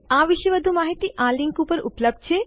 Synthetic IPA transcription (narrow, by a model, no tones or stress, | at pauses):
aːʋɪʃeʋɐd̪ʱumaːɦit̪iʔaːlɪ̃ŋkupəɾʊ̰pləb̚d̪̚t͡ʃʰe